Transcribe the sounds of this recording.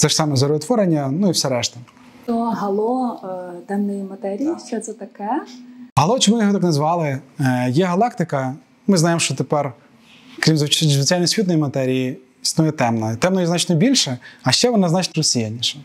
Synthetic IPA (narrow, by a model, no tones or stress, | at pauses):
t̪sɛʃsɑmɛzɐɾt̪ʋɔɾenʲːɐnuiwsʲɛɾɛʃt̪ɐ | t̪ɔɦɐlˠɔt̪ɛmnɨjmɐt̪ɛɾʲijit͡ʃʲɛt̪sɛt̪ɐkɛɦɐlˠɔt͡ʃɔmʊjɔɦɔt̪ɑknɐzʋɑlˠɪjɛɦɐlˠɑkt̪ɪkɐ | mɪznɑjemʃt͡ʃɔt̪epɛr | kɾʲimzzʋʲet͡sʲajʲnɔsʲʋʲit̪nɔjimɐt̪ɛɾʲiji | isnujɛt̪ɛmnɐt̪ɛmnɔjɛzɑt͡ʃnɔbʲilʲʃɛɐʃt͡ʃɛʋɔnɑznɑt͡ʃnɔɾɔsʲijanʲːiʃɛ